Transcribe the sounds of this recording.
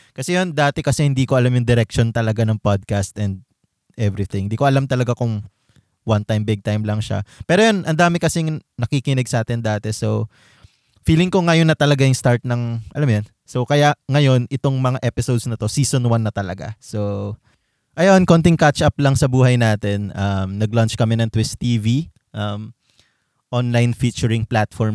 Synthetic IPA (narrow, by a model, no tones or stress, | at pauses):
kɐsɛjond̪aːt̪ɛkɐsɛhɪnd̪iːkoʔɐlamjʊŋd̪ɪɾɛk̚ʃont̪ɐlɐɡanɐŋpad̪̚kast̪ɛnd̪̚ | ʔɛvɾiθɪ̃ŋhɪnd̪iːkoʔɐlamt̪ɐlɐɡakʊŋ | want̪ajmbɪɡ̚t̪ajmlɐŋʃa̰pɛːɾojonʔɐnd̪aːmɪkɐsɛŋnɐkikɪnɪɡ̚sɐʔaːt̪ɪnd̪aːt̪ɛso̞ | fiːlɪŋkoŋɐjonːɐt̪ɐlɐɡajʊŋst̪aɹt̪̚nɐŋʔɐ̰lamjon | so̞kɐjaʔŋɐjo̞nɪt̪o̞ŋmɐŋaʔɛpɪsod̪snɐt̪o̞siːsonwanːɐt̪ɐlɐɡa̰so̞ | ʔɐjonkont̪ɪŋkat͡ʃʔɐplɐŋsɐbuːɦɐjnaːt̪ɛnʔɐmnɐɡ̚lant͡ʃkɐmɪnɐŋt̪wɪst̪iːvi | ʔɐm | ʔonlajnfit͡ʃʊɹɪŋplat̪fɔɹm